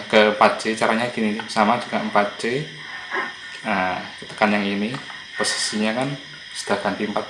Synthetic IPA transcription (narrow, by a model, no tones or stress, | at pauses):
kəəmpat̪̚d͡ʒ̥et͡ʃaɾaɲaɡ̥ininbsamad͡ʒuɡ̥aəmpat̪̚d͡ʒe | əkət̪ə̥kanjaŋini | posi̥siɲakan | sə̥d̪̥a̤kanp̪impat̪̚